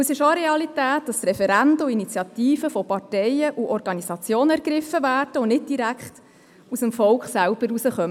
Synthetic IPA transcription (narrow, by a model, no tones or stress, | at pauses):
sɪʃoɾɛɑlitæːt̚d̥ɑst̪rɛfɛɾændəuinit͡sjɑtiːfəfɔpɑrtɛjəʔuʔɔɾɡ̥ɑnisɑt͡sjoːnəæɾɡɾɪfːəvæːrd̥əʊnɪt̚d̥iɾækχt | usəmfɔlkχsælb̥əɾusəχœmə